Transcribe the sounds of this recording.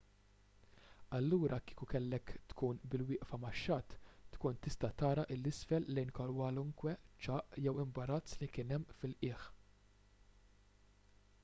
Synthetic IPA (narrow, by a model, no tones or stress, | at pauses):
ɐlːuːɾʔɐki̥ːkukɛlːɛkt̪kuːnbɪlwɪːʔfɐmɐʃːɐːt̪ːkuːnt̪ɪst̪ɐt̪ɐːɾɐʔɪlːɪsfɛlːɛjnkɐɾwɐlʊŋkwɛt͡ʃɐːʔjɛwɪmbɐɾɐt͡sːlikɪːnɛmːfɪlʔɪːx